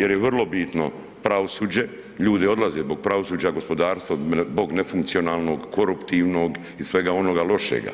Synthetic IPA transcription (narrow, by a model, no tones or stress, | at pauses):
je̞ɾjeʋrlˠo̞bit̪no̞̰ | pɾaʋosuːd͡ʑe̞ | ʎuːd̪io̞d̪lˠazezbo̞ɡ̚pɾaʋo̞suːd͡ʑaɡo̞spo̞d̪aːɾst̪ʋabo̞ɡnefuŋkt̪sio̞naːlˠno̞ɡkʰo̞ɾupt̪iʋno̞ɡ | isʋe̞ɡao̞noɡalˠo̞ʃḛɡa̰